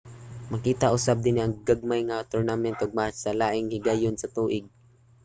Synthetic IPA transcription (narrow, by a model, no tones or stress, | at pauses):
mɐkiːt̪aʔʊsab̚d̪ɪniʔɐŋɡaɡ̚majŋat̪ʊɹnamɛnt̪ʔoɡ̚masɐlaːʔɪŋhɪɡajʊnsɐt̪uːʔɪɡ̚